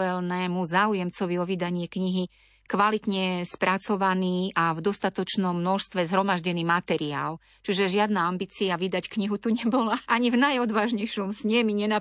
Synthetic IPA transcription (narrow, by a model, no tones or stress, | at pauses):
ɛlnɛːmuzaːujɛmt͡sɔʋiɔʋid̪aɲɪɛkɲiɦi | kʋalit̪ɲɛspɾʔat͡sɔʋaniːʔavd̪ɔst̪at̪ɔt͡ʃnɔmːnɔʃst̪ʋɛzɦɾɔmaʒɟɛniːmat̪ɛɾiaːl | t͡ʃuʒɛʒɪad̪naambiːt͡siaʋid̪ackɲiɦut̪uɲɛbɔlaʔaɲivnajɔd̪ʋaːʒɲɛjʃɔmsɲɛmiɲɛna